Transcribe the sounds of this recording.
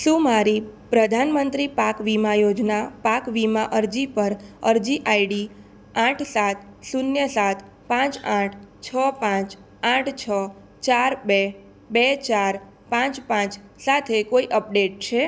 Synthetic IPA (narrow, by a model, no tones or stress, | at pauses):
ʃũmaɾipɾəd̪ʱanmənt̪ɾipakʋimajod͡ʒnapakʋimãʔəɾd͡ʒipəɾəɾd͡ʒiʔajɽi | ãʈʰsat̪̚ʰsunjəsat̪ʰ | pãt͡ʃãʈʰt͡ʃʰəpãt͡ʃ | ãʈʰt͡ʃʰə | t͡ʃaɾbe | bɛt͡ʃaɾ | pãt͡ʃpãt͡ʃsat̪ʰekoiʔəp̚ɖeʈ̚t͡ʃʰe